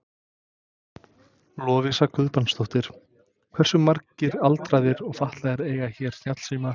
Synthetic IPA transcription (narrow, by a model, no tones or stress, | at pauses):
lɔːvɪsakʰʏðpanst̪owht̪ɪɾ̥ | kʰv̥ɛr̥sʏmːaɾcɪɾalt̪ɾajðɪɾɔɣfaht̪laðɛɾeːjɣaçɛɾ̥sn̥jat̪l̥siːma